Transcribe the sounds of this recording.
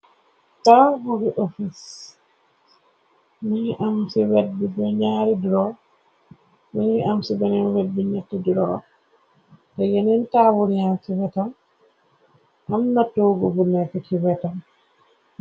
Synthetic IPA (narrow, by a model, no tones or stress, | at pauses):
tawuɾiʔofis | miʔamsiwɛt̚bibɛɲaɾidiɾɔ | miniamsibɛnɛnwɛt̚binɛtːidiɾɔ | tɛjɛnɛntawuɾijamsiwɛtam | ʔamnatːoːɡɔɡunɛkɔtiwɛtam